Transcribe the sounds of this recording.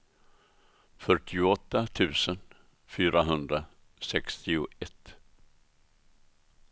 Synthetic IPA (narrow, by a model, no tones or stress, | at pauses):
fœʈːɪʊɔt̪ːat̪ʰʉ̟ːsən | fyːɾaɦɵnd̪ɾa | sɛkst̪ɪʊɛt̪ː